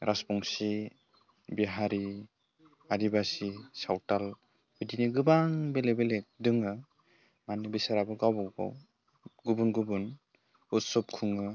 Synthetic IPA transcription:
ɾaspɔŋsi | biɦaɾi | adibasisawtal | bidiniɡɯbaŋbelebelek̚dɯŋɯ | manibisaɾabɯɡawbɔɡa̰w | ɡubunɡubun | utsɔp̚kʰuŋɯ

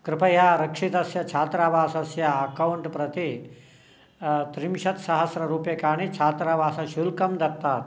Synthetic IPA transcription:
kɾɪpɐjaːɾɐkʂit̪ɐsjɐt͡ʃʰaːt̪ɾaːʋaːsɐsjɐɐkɐwuɳʈpɾɐt̪i | t̪ɾimʃɐt̪sɐɦɐsɾɐɾuːpekaːnit͡ʃʰaːt̪ɾaːʋaːsɐʃulkɐmd̪ɐt̪ːaːt̪

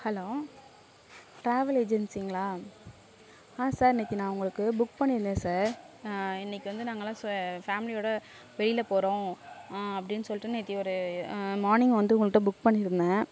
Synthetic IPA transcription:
hɐloː | ʈɾaːʋɐled͡ʒɛnsiŋɡɐɭaː | aːsaːɾnet̪ːinãːʊŋɡɐɭɯkːɯbʊkpɐɳːɪɾɯnd̪ẽːsaːɾ | ɪnːɛkʲːɯʋɐnd̪ɯnaːŋɡɐlːãːsfaːmɪlɪjoːɽɐ | ʋɛɭɪjlɐpoːɾõ | ɐpːɐɽɪnːɯsɔlːɪʈːɯnet̪ːiɔɾɯmaːɾnɪŋɡʋɐnd̪ɯʊŋɡɐɭɯʈːõbʊkpɐɳːɪɾɯnd̪ẽː

